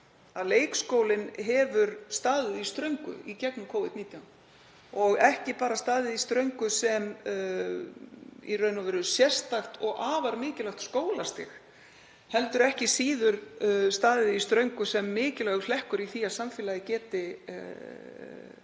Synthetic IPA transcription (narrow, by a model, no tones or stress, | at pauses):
aðleːjkskoːwlɪnɦɛvʏɾst̪aːðɪðist̪ɾœɥŋkʏ̰icɛknʏkʰoːwvɪðd̪niːt̪jawn | ɔɣɛhcɪpaːɾast̪aːðɪðist̪ɾœɥŋkʏsɛm | ḭrœɥnavɛɾʏsjɛr̥st̪axt̪ɔɣʔaːvaɾmɪːcɪlaxt̪skoːwlast̪ɪ̰x | hɛlt̪ʏɾɛhcɪsiːðʏɾst̪aːðɪðist̪ɾœɥŋkʏsɛmːɪːcɪlɛɣʏlɛhkʏɾiθiaðsaɱfɪːlaðɪcɛːt̪ɪ